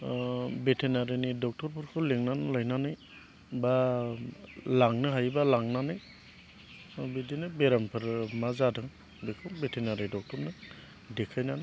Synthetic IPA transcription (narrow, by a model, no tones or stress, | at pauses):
betʰenaɾinidɔk̚tɔɾpʰɔɾkʰɯleŋnanɯlajnanɯj | ba | laŋnɯɦajbalaŋnanɯj | bidinɯbeɾampʰɯɾmazadɯŋ | bekʰɯbetʰenaɾidɔk̚tɔɾnɯ | dekʰajnana